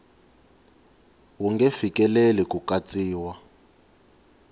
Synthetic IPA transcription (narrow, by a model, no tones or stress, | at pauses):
wuŋɡɛfikʼɛlelɛkʼukat͡sʼiːwa